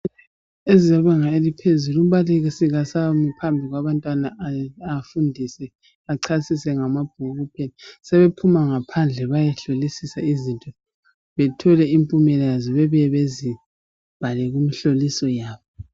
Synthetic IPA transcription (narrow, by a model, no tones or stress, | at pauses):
ezijaβaŋaelipʰezulum̩βaliɣisiɣasamipʰambʱiɣwaβantʼwanaafundʱisɛ | aǀʰasisɛŋamab̥ʱuɣupʰenisɛβepʰumaŋapʰand͡ɮʱɛβajɛɬolisisaizintʼɔ | βɛtʰɔlɛimpʼumɛlɛjazɔβɛβɛβezi | b̥ʱalɛɣumiɬolisɔjaːβɔ